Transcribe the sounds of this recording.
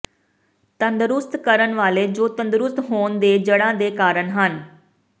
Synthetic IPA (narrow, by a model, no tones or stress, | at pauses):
t̪ənd̪ɾʊst̪kəɾənʋaːleːd͡ʒoːt̪ə̃nd̪ɾʊst̪ɦoːnd̪eːd͡ʒəɽãːd̪eːkaːɾəɳɦən